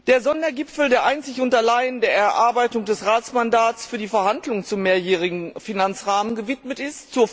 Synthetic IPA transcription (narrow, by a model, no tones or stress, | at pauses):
d̥eːɐzɔndɐɡɪpfl̩deːɐʔaɪnt͡sɪçʔʊntɐlaɪəndeːɐɛɐʔaɐbaɪtʊŋdɛsʁaːtt͡smandaːtsfyːɐdiːfɛɐhandlʊŋt͡sʊmːeːɐjɛːʁ̞ɪɡŋ̩finant͡sʁaːmənɡəvɪtmətɪstt͡suːɐ